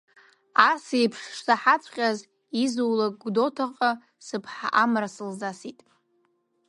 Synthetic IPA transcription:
asejpʰʂʂsaħat͡sʷʰʼqʲʼaz | izuwlakʼɡʷdo̞tʰaqʼa | sɨpʰħa̰ʔamrasɨlzasitʼ

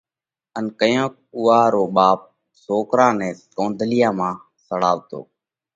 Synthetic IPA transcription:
ənkəjõːk̚ | ʊːaːɾoːɓaːp̚ | soːkɾãːnɛ̃ːkõːnd̪ʱəlɪjãːmãː | səɽaːʋt̪o̰ː

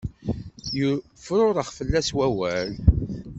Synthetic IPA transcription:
jəfɾʊɾˤəχfəlːæswæwæl

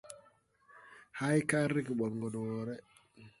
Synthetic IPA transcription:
hajkaɾikiɓɔŋɡɔdɔwɔɾɛ

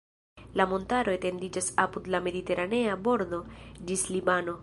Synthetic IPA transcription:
lamo̞ntaɾo̞ete̞ndid͡ʒasapudlame̞dite̞ɾʔane̞abo̞ɾdo̞d͡ʒislibano̞

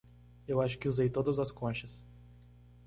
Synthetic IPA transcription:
ewaʃʊ̥kɪuzejt̪od̪ɐzɐskõʃɐs

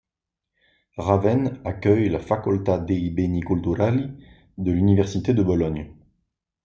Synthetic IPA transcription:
ʁavɛnakʲœjlafakɔlt̪ad̪eibenikɔld̪uʁali | d̪əlynivɛʁsit̪ed̪əbɔlɔɲ

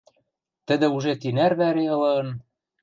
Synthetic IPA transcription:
t̪ɘ̆d̪ɘ̆uʒet̪inæɾβæɾeɤ̆lɤ̆ɤ̆n

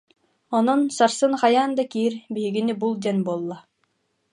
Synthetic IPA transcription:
ɔnɔnsaɾsɯŋχajaːnd̪akiːɾbiɦiɡinibulˠd̪ɛnbuɔlˠːa

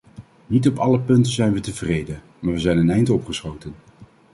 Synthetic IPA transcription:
nitɔpɑləpɵntəzɛjnʋətəvrejdə | maːɹʋəzɛjnənɛjntɔpχəsχowtən

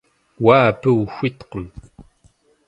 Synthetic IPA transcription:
waːpəxʷit̪qəm

